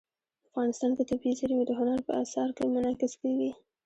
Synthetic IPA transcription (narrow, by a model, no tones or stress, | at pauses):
afɣɑnɪst̪ɑnk̪ət̪abisaɾimed̪əɦʊnaɾpə̰asɑɾkemʊnɑkɪskawi